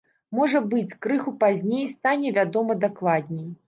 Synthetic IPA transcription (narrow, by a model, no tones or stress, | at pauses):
mɔʐɐbɨt͡sʲkɾɨxupazʲnʲejst̪anʲɛvʲad̪ɔmɐd̪aklˠad̪̚ʲnʲɛj